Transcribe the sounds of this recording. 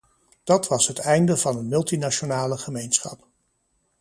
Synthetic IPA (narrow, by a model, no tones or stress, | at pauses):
d̥ɑtʋɑsɦətɛjndəvɑnɦənmɵlˠtinat͡ʃonaːləχəmejnsχɑ̰p